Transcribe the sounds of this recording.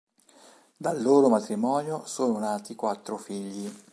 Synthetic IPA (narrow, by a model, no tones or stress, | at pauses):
d̪alːoːɾomat̪ɾimɔːnjosoːnonaːt̪ikwat̪ːɾofiʎːi